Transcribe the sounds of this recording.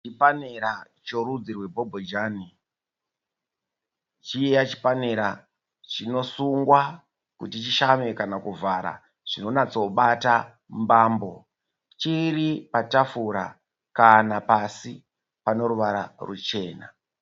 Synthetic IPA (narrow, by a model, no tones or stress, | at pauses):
t͡ʃipaneɾa | t͡ʃoɾud͡zirwe̞bʱo̞bʱod͡ʒaːni | t͡ʃiejat͡ʃi̥pane̞ɾa | t͡ʃino̞suŋɡwa | kutit͡ʃiʃame̞kanakuvaɾa̰ | ʐ̥ino̞nat͡so̞ɓata | mbaːmbo̞ | t͡ʃiripatafuɾa̰ | kanapasi | pano̞ɾuʋaɾa̰rṵt͡ʃe̞ːna̰